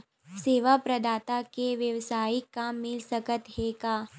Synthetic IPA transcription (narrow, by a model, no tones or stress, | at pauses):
seːʋapɾɐd̪aːt̪akeʋjɐʋsaːikamɪlsɐkət̪ɦeːɡaː